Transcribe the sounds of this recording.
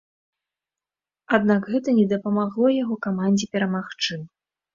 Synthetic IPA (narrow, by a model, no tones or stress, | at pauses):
ad̪nakɣɛt̪ɐnʲɛd̪ɐpɐmaɣlˠɔjaɣɔkamanʲd͡zʲipʲɛɾɐmaxt͡ʂɨ